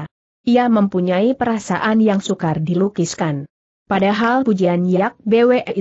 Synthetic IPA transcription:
iaməmpuɲaipəɾasa̰ʔanjaŋsukardilukiskan | padaɦalpud͡ʒianjaak̚beweʔɛʔi

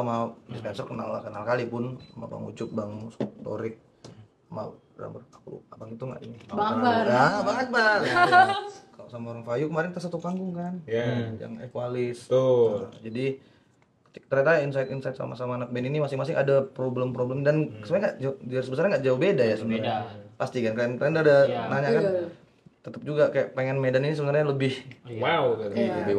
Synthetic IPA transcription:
samadispɛnsɔrkəna̰lːa̰hkənakalipʊnama̰ba̰ŋṵt͡ʃʊt̪̚baŋst̪o̰ɾɪk̚ | ama̰ | ɾa̰mbarakṵabaŋit̪uŋɡa̰ʔḭnibabaabaŋət̪̚ba | kalosamaoɾaŋfajukəmaɾɪnt̪asat̪ukaŋɡʊŋkanja̰ŋekualɪs | d͡ʒadi | kət̪kt̪ərjat̪ainsajt̪insajt̪̚sa̰ma̰samaːnak̚bɛninimasɪŋmasɪŋʔadapɾobləmpɾobləmdanəsəmpaŋɡaʔd͡ʒsəbəs̬arɲaŋɡaʔd͡ʒaubedajasəbənaɲapast̪ikankajnandadanaɲaka | t̪ət̪əp̚d͡ʒuɡakajaʔpeŋɛnmedaninisəbənarɲaləbɪhwawkaəbi

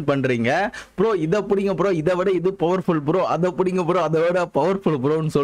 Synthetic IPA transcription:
pɐɳːɾiːŋɡɐɐpːɯɾõːɪðɐpːʊɽɪŋɡɐpːɯɾõːɪðɐʋɪɽɐɪðɯpɐʋɐɾfʊɭp̬ɯɾõːʔɐðɐpːʊɽɪŋɡɐpːɯɾõːɐðɐʋɪɽɐpɐʋɐɾfɯɭp̬ɯɾõːnːɯsɔ

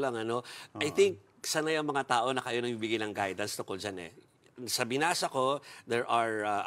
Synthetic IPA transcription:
lɐŋɐno̞ʔɐjt̪ɪŋk̚ | sanajʊŋmɐŋat̪aːʔo̞nɐkɐjo̞nɐɡ̚bibiɡɪnɐŋɡajd̪ɐnst̪ʊŋkold͡ʒanɛ̰ | sɐbɪnaːsɐko̞d̪ɛɹʔɐɹa

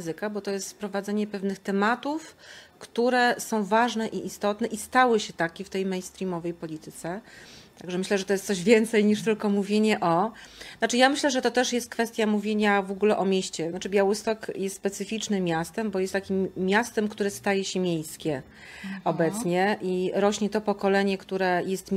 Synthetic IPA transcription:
zɘkabɔt̪ɔjɛst̪fpɾɔvad̪zɛɲɛpɛvnɘxt̪ɛmat̪ufkt̪uɾɛsɔ̃w̃vaʐnɛʔiʔist̪ɔt̪nɛʔist̪awɘɕɛt̪akʲɛft̪ɛjmɛjnst̪ɾʲimɔvɛjpɔlʲit̪ɘt̪sɛt̪aɡʐɛmɘɕlɛʐɛt̪ɔjɛst̪sɔʑvʲjɛnt̪sɛjɲiʂt̪ɘlkɔmuvʲjeɲɛʔɔnat͡ʂɘjamɘɕlɛʐɛt̪ɔt̪ɛʂjɛst̪̚kfɛst̪ʲjamuvʲjeɲavɔɡulɛʔɔmʲjeɕt͡ɕɛnat͡ʂɘbʲjawɘst̪ɔkjɛst̪spɛt̪sɘfʲit͡ʂnɘmʲːjast̪ɛmbɔjɛst̪ːakʲimːʲjast̪ɛmkt̪uɾɛst̪ajɛɕɛmʲjejskʲɛ | ɔbɛt̪sɲɛʔiɾɔɕɲɛt̪ɔpɔkɔlɛɲɛkt̪uɾɛjɛst̪

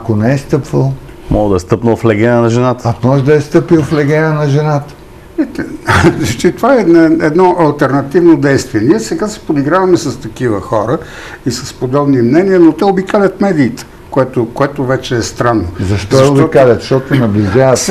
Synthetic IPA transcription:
ɐkonɛɛst̪ɤpvəlˠ | mɔɡd̪ɐɛst̪ɤpnəlˠflɛɡʲɛnənɐʒɛnat̪ə̥ɐkmɔʒd̪ɐɛst̪ɤpilˠflɛɡɛnənɐʒɛnat̪ə̥ | ɛt̪ɛzɐt͡ʃit̪ovaɛnɛd̪nɔʔɐlˠt̪ɛɾnɐt̪ivnod̪ɛjst̪viɛniɛsɛɡasɛ̥pod̪iɡɾavɐmɛsɐst̪ɐkivəxɔɾə | isɐspod̪ɔbnimnɛniənot̪ɛobikalʲɐt̪mɛd̪iːt̪ɛ̥ | koɛt̪okoɛt̪ʊvɛt͡ʃɛːst̪ɾanːozɐʃt̪ɔɛob̪ikalʲət̪ʃt̪ɔt̪ʊnɐblʲiʒavət̪

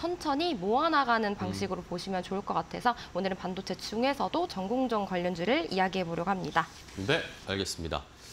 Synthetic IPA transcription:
sʰʌnt͡ɕʰʌɲimoanaɡanɯnpaŋɕʰiɡɯɾopoɕʰimjʌnt͡ɕoɭk͈ʌk͈atʰe̞sʰʌonɯɾɯnpandot͡ɕʰe̞t͡ɕ͈ʰuŋe̞sʰʌdot͡ɕʌŋɡoŋd͡ʑʌŋkwaʎːʌnd͡ʑiɾɯɭijaɡiɦe̞boɾjʌɡoɦamɲida | ne̞a̰ɭɡe̞s͈ɯmɲida̰

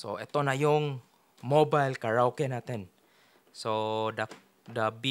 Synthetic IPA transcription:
so̰et̪onajʊŋ | mobajlkaɹawkɛnat̪ɛn | soda | dabi

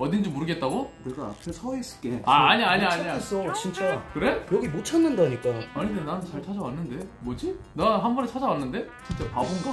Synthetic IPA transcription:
ʌdind͡ʑimoɾɯɡe̞t̚t͈aɡokɯɾeɡaa̰pʰesʰʌes͈ɯ̥k͈eaːɲiaɲiaɲias͈ot͡ɕint͡ɕ͈akɯɾe̞kjʌɡimot͡ɕʰʌnːɯndaɲik͈aaɲidenanɯnt͡ɕaɭt͡ɕʰad͡ʑʌwanːɯnde̞mwʌd͡ʑinaɦambʌnet͡ɕʰad͡ʑawanːɯnde̞ | t͡ɕint͡ɕ͈apabonɡa

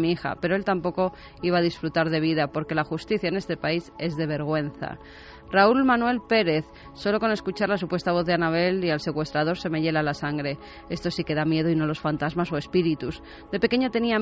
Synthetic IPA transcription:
miixa̰pe̞ɾo̞e̞lt̪ampo̞ko̞ | iβaːð̞isfɾut̪aɾðe̞β̞iðapo̞ɾke̞laxust̪iθjaene̞st̪e̞paise̞zðe̞β̞e̞ɾɣ̞we̞n̟θa̰ | raulmãnwe̞lpe̞ɾe̞θ | so̞lo̞ko̞ne̞skut͡ʃaɾlasupwe̞st̪aβ̞o̞θðanaβ̞e̞lialse̞kwe̞st̪ɾað̞o̞ɾse̞me̞ʝe̞lalasaŋɡɾe̞ | e̞st̪o̞sike̞ð̞amje̞ð̞oino̞lo̞sfant̪azmasoe̞spiɾit̪uz | d̪e̞pe̞ke̞ɲo̞t̪e̞nia

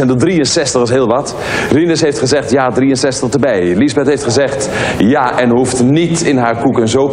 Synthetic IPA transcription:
ɛndədriənsɛstəχəsɦɪːlˠʋɑt | rinəsɦejftχəzɛχtjaːdrijənsɛstəχdəbɛjlizbɛtɦejftχəzɛχt | jaʔɛnɦuftnitɪnɦaːɹkukənzow

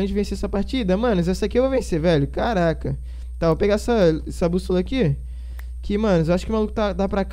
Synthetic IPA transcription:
ẽd͡ʒɪvẽseɛsɐpaɾt͡ʃid̪ɐmɐ̃nʊzɛsɐakiewvowvẽsevɛʎʊkaɾakɐ | t̪apeɡaɛsɐɛsɐbust̪ulɐki | kʰɪmɐ̃nʊzewaʃʊ̥kɪʊmalˠukʊt̪ad̪apɾak

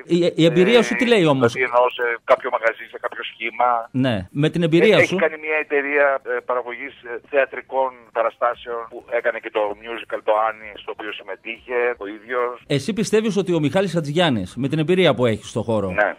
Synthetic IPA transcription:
iiembiɾiɐsuile̞io̞mosienosekapçomɐɣɐzinsekapço̞sçimɐne̞me̞t̪ine̞mbiɾiɐeçsiukanimɲiɐet̪e̞ɾiɐpɐɾɐɣo̞ʝisθeɐt̪ɾiko̞npɐɾɐst̪ɐseonpuekɐnecet̪o̞mjuzikɐlt̪oanist̪oːpiosime̞t̪içeoiðʝosesipist̪e̞viso̞t̪io̞mixɐlisɐt̪izʝɐnisme̞t̪ine̞mbiɾiɐpue̞çi̥st̪oxo̞ɾo̞nḛ

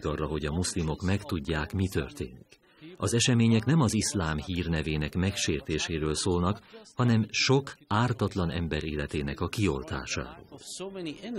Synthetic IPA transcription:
kɒrːɒɦo̞ɟɒmuslimo̞kmɛkt̪uɟːaːkmit̪ø̰rt̪ḛːnik | ɒzɛʃɛmeːɲɛkn̪ɛmɒzislaːmhiːrnɛveːnɛkmɛkʃeːrt̪eːʃeːɾøːlsoːlnɒkhɒnɛmʃo̞kaːrt̪ɒt̪lɒnɛ̰mbɛɾeːlɛt̪eːnɛkɒkio̞̰lt̪a̰ːʃa̰ːɾo̰ːl

